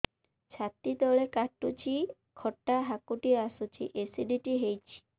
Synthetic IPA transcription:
t͡ɕʰat̪ːit̪ɔɭekaʈːut͡ɕi | kʰɔʈːaɦakuʈiasut͡ʃḭʔesiɖiʈiɦejt͡ɕʰi̥

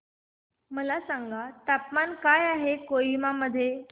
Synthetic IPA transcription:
məlasaŋɡat̪apmankajaɦekoimaməd̪ʱːje

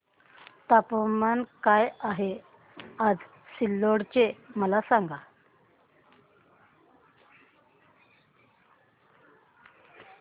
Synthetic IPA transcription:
t̪apomankajaɦe | ad͡z | silːoɽt͡ɕeməlasaŋɡa

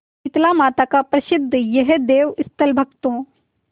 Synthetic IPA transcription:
ɪt̪lamaːt̪akapɾɐsɪd̪ʱːəjɐɦed̪eːʋɪst̪ʰəlbʱɐkt̪õː

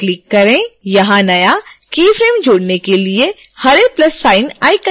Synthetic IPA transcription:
klɪkːɐɾẽjɐɦãnɐjakiːfʰɾeːmd͡ʒʱoːɽnekelie | hɐɾeplɐsːaːɪnaːikə

